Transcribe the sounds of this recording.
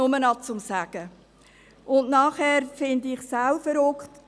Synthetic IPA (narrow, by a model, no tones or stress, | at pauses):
ʊmənɑt͡sʊmsæːɡ̥ə | ʔʊndnɑːχhɛːɾfɪndɪχsaʊfəɾʊkχt